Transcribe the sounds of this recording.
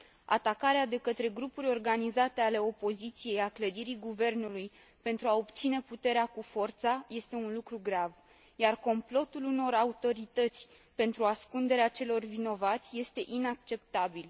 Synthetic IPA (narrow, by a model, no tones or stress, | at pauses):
a̰t̪akaɾead̪e̞kət̪ɾe̞ɡɾupuɾʲo̞rɡanizat̪e̞ale̞o̞po̞zit̪sije̞jakləd̪iɾiɡuve̞rnuluj | pe̞nt̪ɾuao̞bt̪sine̞put̪e̞ɾeakufo̞rt̪saje̞st̪e̞unlukɾuɡɾav | jarko̞mplo̞t̪uluno̞raut̪o̞ɾit̪ət̪sʲ | pe̞nt̪ɾuaskund̪e̞ɾeat͡ʃe̞lo̞rvino̞vat̪sʲje̞st̪e̞ʔinakt͡ʃe̞p̚t̪abil